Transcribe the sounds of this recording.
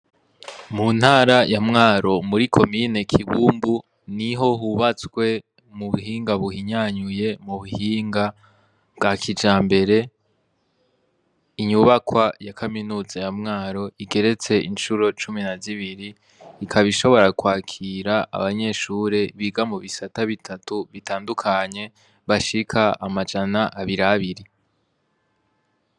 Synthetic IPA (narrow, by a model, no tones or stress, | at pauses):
muːn̥haːɾajamŋaːɾo̞muɾikʰo̞mine̞kʰiβuːmbu | niɦo̞ɦuβat͡sɡwe̞ | muβuhiːŋɡaβuhiɲaːɲuje̞muβuhiːŋɡa | bɡaːkʰid͡ʒaːmbe̞ɾe̞ | iɲuβakwajakʰaminuːzajamŋaːɾo̞iɡe̞ɾe̞t͡se̞ʔinʃuɾo̞t͡ʃuminaziβiɾiː | kʰaβiʃo̞βo̞ɾakwaːkʰiɾaʔa̰βaɲe̞ʃuɾe̞βiɡamuβisataβitʰatuβitaːndukʰaɲe̞ | βaʃikʰaamad͡ʒanaʔaβiɾaβiɾi